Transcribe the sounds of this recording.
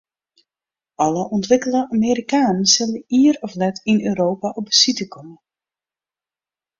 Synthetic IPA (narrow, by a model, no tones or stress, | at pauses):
ɑləʔɔntʋɪkəlˠəameːɾikaːnənsɪləiːəɾɔflɛtinøːɾoːpaʔɔb̚əsitəkʰɔmə